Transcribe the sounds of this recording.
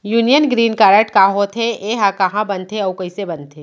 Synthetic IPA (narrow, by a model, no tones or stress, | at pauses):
juːnijənɡɾiːnkaːɾəʈkãːɦot̪ʰeeːɦãkɐɦãbɐ̃nt̪ʰeɔːwkɐisebɐ̃nt̪ʰeː